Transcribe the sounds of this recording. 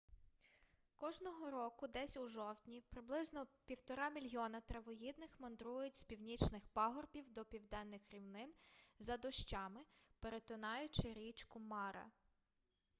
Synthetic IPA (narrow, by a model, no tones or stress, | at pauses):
kɔʒnɔɦɔɾɔkʊd̪ɛsʲuʒɔwt̪ʲnʲipɾɪblˠɪznɔpʲiwt̪ɔɾɑmʲilʲɦjɔnɐt̪ɾɐʋɔɦid̪nɪxmɔnd̪ɾujʊtʲspʲiwnʲit͡ʃnɪxpɑɦɔrbʲiwd̪ɔpʲiwd̪ɛnːɪxɾʲiwnɪnzɐd̪ɔʃt͡ʃɑmɪpeɾet̪ʊnɑjʊt͡ʃɪɾʲit͡ʃkʊmɑɾɐ̰